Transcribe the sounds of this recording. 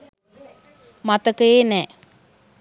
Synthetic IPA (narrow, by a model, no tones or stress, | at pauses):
mat̪əkəeːnɛː